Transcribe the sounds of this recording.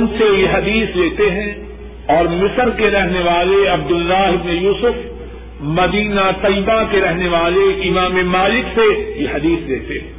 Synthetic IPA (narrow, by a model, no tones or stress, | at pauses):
nsejeɦɐd̪iːsleːt̪eɦɛ̃ː | ɔːɾmɪsəɾkeɾɛɦneʋaːleɐb̚d̪ʊlːaːɦɪbnejuːsʊf | mɐd̪iːnat̪ɐjbakeɾɛɦneʋaːleɪmaːmemaːlɪksejehɐd̪iːsleːt̪eɦɛ̃ː